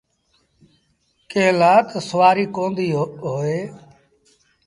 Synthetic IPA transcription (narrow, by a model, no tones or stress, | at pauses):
keːlaːt̪səʋaːɾiːkõːnd̪iːɦoːeː